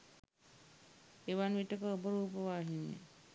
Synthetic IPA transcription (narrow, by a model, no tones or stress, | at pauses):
eʋanʋiʈəkəobəɾuːpəʋaːɦinjḛ